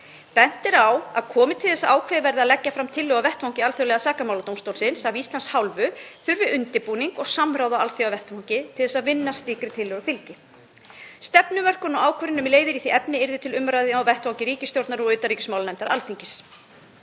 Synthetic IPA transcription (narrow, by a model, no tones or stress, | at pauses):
pɛn̥t̪ɛɾawaðkʰɔːmɪt̪ʰɪlθɛsaaːwkʰvɛðɪvɛɾðɪaðlɛcːafɾamt̪ʰɪlːœːɣavɛht̪vawŋcɪalθœwlɛɣasaːkamawlat̪owmst̪owlsɪnsavist̪lanshawlvʏθʏɾvɪʔʏnt̪ɪpuːniŋkɔɣsamɾaːwðaalθjowavɛht̪vawŋcɪt̪ʰɪlðɛsaðvɪnːast̪iːkɾɪt̪ʰɪlːœɣafɪlcɪ | st̪ɛpnʏmœr̥kʏnɔwaːwkʰvœɾɪnʏmileːjðɪɾiθiɛpnɪɪɾðʏt̪ʰɪlʏmɾajðɪawvɛht̪vawɲcɪɾiːcɪst̪jowɾt̪naɾɔɣʏːt̪aɾriːcɪsmawlanɛjmt̪aɾʔa̰lfiɲcɪs